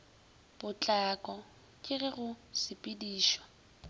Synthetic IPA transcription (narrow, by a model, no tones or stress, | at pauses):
b̥ʊt͡ɬʼakʼɔ | kʼɪɣɪɣʊsɪpʼɪdiːʃɔ̥